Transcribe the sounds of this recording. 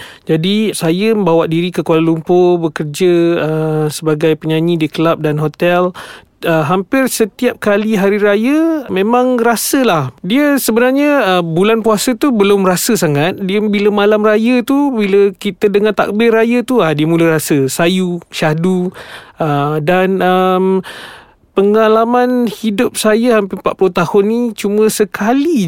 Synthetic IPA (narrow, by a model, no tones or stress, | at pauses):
d͡ʒadisajəməmbawaʔdiɾikəkualalumpobəkərd͡ʒəəsəbaɡajpəɲaɲidikəlap̚danɦot̪ɛl | əɦampɪrsət̪iap̚kaliɦaɾiɾajəmẽmãŋrasəlahdiəsəbənarɲəəbulanpuasət̪ubəlʊmrasəsaŋat̪̚diəbiləmalamrajət̪ubiləkit̪ədəŋant̪a̰k̚bɪrajət̪uadiəmulərasəsajuʃaduədanəm | pəŋalamanhidʊp̚sajəhampɪrpa̰ʔpulot̪ahʊnːit͡ʃumə̃səkʰali